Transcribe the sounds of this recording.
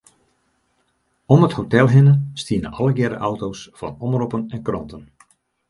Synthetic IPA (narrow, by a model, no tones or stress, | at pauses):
ɔməthotɛlˠɦɪnəstiənə̰ʔɑlˠəɡɛɾə̰ʔawtowsfɔ̰nɔmropənɛnkrɔntən